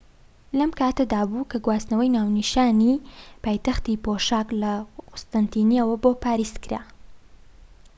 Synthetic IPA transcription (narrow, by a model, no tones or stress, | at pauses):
lɐmkaːt̪ɐd̪aːbuːkɐɡwaːsnɐwɐjnaːwniʃaːnipaːjt̪ɐxt̪ipoʃaːklɐqʊst̪ɐnt̪iːniɛwɐbopaːɾist̪kɨɾa̰